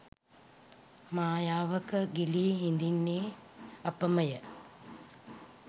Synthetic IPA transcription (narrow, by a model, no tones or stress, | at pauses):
maːjaːʋəkəɡiliːɦind̪inːeːɐpəməjə